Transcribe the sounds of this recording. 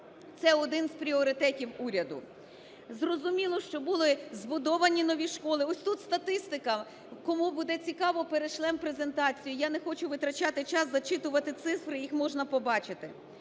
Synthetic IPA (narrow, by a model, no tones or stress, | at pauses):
t̪sɛɔd̪ɪnzpɾʲiɔɾɪt̪ɛtʲiwuɾʲɐd̪ʊ̰ | zrɔzʊmʲilˠɔʃt͡ʃɔbulˠɪzbʊd̪ɔʋɐnʲinɔʋʲiʃkɔlˠɪɔsʲt̪ut̪st̪ɐt̪ɪst̪ɪkɐ | kɔmubud̪ɛt͡sʲikɑʋɔpeɾeʃlˠɛmpɾeze̞nt̪ɑt͡sʲijʊjanexɔt͡ʃʊʋɪt̪ɾɐt͡ʃɑt̪ɪt͡ʃɑsːɐt͡ʃɪt̪ʊʋɐt̪ɪt̪sɪfɾɪjixmɔʒnɐpɔbɑt͡ʃɪt̪ɪ̰